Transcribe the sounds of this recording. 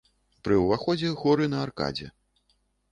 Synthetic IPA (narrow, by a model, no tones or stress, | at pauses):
pɾɨwvaxɔd͡zʲɛɣɔɾɨnɐːrka̰d͡zʲɛ̰